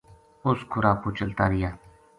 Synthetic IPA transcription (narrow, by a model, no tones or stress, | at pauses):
ʊskʰʊɾaːkoːt͡ʃəlt̪aːɾɪjaː